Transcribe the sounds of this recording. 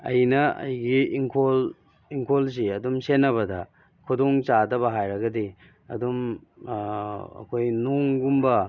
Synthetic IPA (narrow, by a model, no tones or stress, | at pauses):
ɐ̰jnɐɐ̰jɡiiŋkʰol | iŋkʰols̬iɐdumsenːɐβɐdɐ | kʰudoŋt͡ʃadɐbɐɦajɾɐɡɐdi | ɐ̰dum | ɐ̰kʰojnoŋɡumbɐ